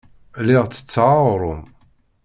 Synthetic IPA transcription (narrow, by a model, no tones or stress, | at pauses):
lɪʁt͡sːə̥t͡sːʕaɾˤʊm